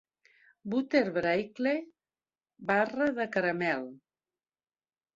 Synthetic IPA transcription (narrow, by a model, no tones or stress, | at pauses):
but̪eɾβɾajkle | barəðəkəɾəmɛlˠ